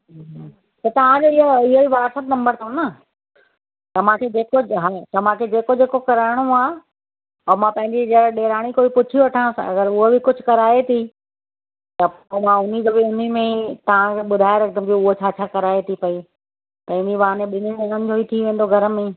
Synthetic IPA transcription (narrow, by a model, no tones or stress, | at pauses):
t̪ɐt̪ɐʋ̤ãd͡ʑoːɪɦoɪɦoiʋaːsət̪nɐ̃mbəɾt̪ʰõnɐ | t̪ɐmãːkʰed͡ʑeːkoɦat̪ɐmãkʰed͡ʑeːkod͡ʑeːkokɐɾaːɪɽ̃uaː | ɔmãpɐ̃ɦɪ̃ɲd͡ʑid͡ʑɐɗeːɾaːɽ̃ikoːbipʊt͡ɕʰiʋɐʈʰəɽ̃sɐɡəɾʊɦobɪkʊd͡ʑʱʊ̆kɐɾaːet̪ʰi | t̪ɐpomãʊn̤id͡ʑobeʊn̤imẽit̪ɐʋ̤ãkʰeɓʊd̪ʱaːeɾɐk̚d̪əmkoʊɦot͡ɕʰaːt͡ɕʰaːkɐɾaːet̪ʰipɐi | pɐ̃ɦɪ̃ɲd͡ʑiʋaːnẽɓɪnimẽnɐ̃nd͡ʑʱoːit̪ʰiʋẽːnd̪oɡʱɐɾəmẽ